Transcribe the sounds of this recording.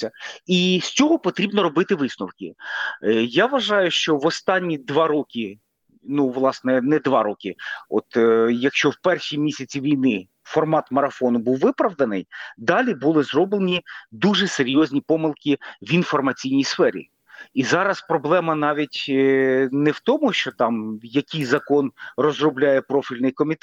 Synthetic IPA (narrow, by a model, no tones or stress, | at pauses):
ɐisʲt͡sʲɔɦɔpɔt̪ɾʲibnɔɾɔbɪt̪ɪʋɪsnʊwkʲɪ̰ | jaʋɐʒɑjʊʃt͡ʃɔʋɔst̪ɑnʲːid̪ʋɑɾɔkʲi | nuʋlˠɑsnɛnɛd̪ʋɑɾɔkʲɪɔ̰t̪jɐkʃt͡ʃɔwpɛrʃimʲisʲɐt͡sʲiʋʲijnɪ | fɔrmɑt̪mɐɾɐfɔnʊbuwːʋɪpɾɐʋd̪ɐnɪ̰jd̪ɑlʲibʊlˠɪzrɔblˠenʲid̪uʒɛseɾʲjɔzʲnʲipɔmɪlˠkʲiʋinfɔrmɐt͡sʲijnʲijsfɛɾʲḭ | izɑɾɐspɾɔblˠɛmɐnɑʋʲitʲ | nɛwt̪ɔmʊʃt͡ʃɔt̪ɑmjɐkʲɪjzɐkɔnrɔzrɔblʲajɛpɾɔfʲilʲnɪjkɔmʲit̪